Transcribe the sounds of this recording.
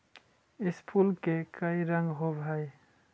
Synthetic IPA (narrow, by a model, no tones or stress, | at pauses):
ɪspʰulkekəiɾəŋɡɦobʱaj